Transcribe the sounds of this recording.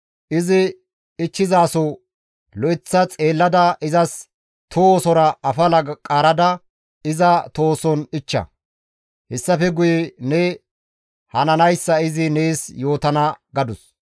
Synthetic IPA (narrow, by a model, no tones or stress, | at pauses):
ʔɪzɪ | ɪt͡ʃːɪzaːsɔ | lɔʔɪt͡sːɐt͡sʼe̞ːlːɐd̪ɐʔɪzɐs | t̪ʰosɔɾɐɐfɐlɐkʼaːɾɐd̪ɐ | ɪzɐt̪o̞ːsɔnɪt͡ʃːɐ̰ | hɛsːɐfɛɡʊjɛnɛ | hɐnɐnɐjsːɐɪzɪneːsjo̞ːt̪ɐnɐɡɐd̪ʊs